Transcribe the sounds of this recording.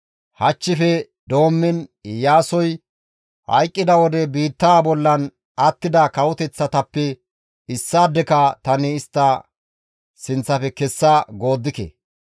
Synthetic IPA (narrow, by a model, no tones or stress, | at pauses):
hɐt͡ʃːɪfɛ | d̪o̞ːmːɪnjaːsɔj | hɐ̰jkʼːɪd̪ɐwɔd̪ɛbiːt̪ːaːbɔlːɐn | ɐt̪ːɪd̪ɐkɐwɔt̪ɛt͡sːɐt̪ɐpːɛ | ɪsːaːd̪ːɛkɐt̪ɐnɪːst̪ːɐ | sɪnt͡sːɐfɛkɛsːaɡo̞ːd̪ːɪkɛ̰